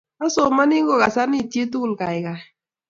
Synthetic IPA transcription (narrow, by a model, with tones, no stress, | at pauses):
a˦so˨ma˦ni˦ŋɡo˦˨ka˨sa˦ni˦˨te˦t̪u˦˨lka˨jka˨